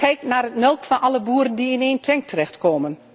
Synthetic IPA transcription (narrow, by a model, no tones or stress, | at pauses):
kɛjknaːrətmɛlˠkfɔnʔɑləbuːɾəndiɪneːntʰɛŋk̚tʰərɛxtkoːmən